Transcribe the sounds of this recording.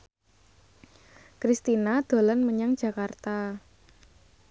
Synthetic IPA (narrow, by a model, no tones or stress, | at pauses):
kɾist̪inad̪̥o̤lanməɲaŋ̥ʒ̥a̤kart̪a